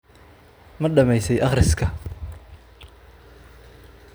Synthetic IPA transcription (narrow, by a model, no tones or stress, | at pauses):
mɐɖɐmɛjsɛjʔɑχrɪskʰɐ